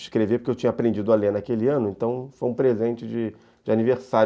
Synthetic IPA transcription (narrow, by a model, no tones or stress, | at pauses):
ʃkɾevepʊ̥ɾkewt͡ʃĩɲɐapɾẽnd͡ʒid̪ʊalenakelɪɐ̃nʊẽnt̪ɐ̃w̃fojũpɾezẽnt͡ʃɪd͡ʒɪ | d͡ʒɪaniveɾsa